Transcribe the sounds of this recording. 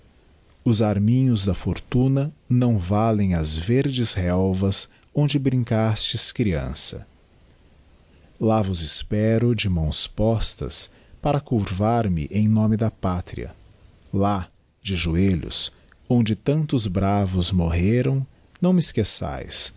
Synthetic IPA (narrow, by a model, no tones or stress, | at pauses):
ʊzaɾmĩɲʊzd̪ɐfoɾt̪unɐnɐ̃w̃valẽj̃ɐzveɾd͡ʒɪzhɛwvɐz | õnd͡ʒɪbɾĩŋkast͡ʃɪskɾiɐ̰̃sɐ̰ | lavʊzɪspɛɾʊd͡ʒɪmɐ̃w̃spɔst̪ɐ̰s | paɾɐkuɾvaɾmɪ̰ʔẽj̃nõmɪd̪ɐpat̪ɾḭɐ̰ | la | d͡ʒɪʒueʎʊ̰s | õnd͡ʒɪt̪ɐ̃nt̪ʊzbɾavʊzmoɦeɾɐ̃w̃ | nɐ̃w̃mɪskesa̰js